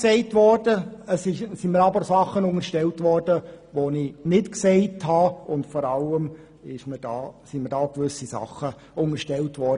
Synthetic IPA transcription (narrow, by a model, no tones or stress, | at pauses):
sɛɪtʋɔrd̥əəsɪsiməɾɑbəɾsɑχːənʊŋəʃtɛltʋɔrd̥əʋoninɪtksɛɪthɑʊntfɔɾɑləm | ɪʃməd̥ɑːsiməɾdɑːkʋʏsisɑ̰χːə | ʊŋəɾʃtɛltʋɔd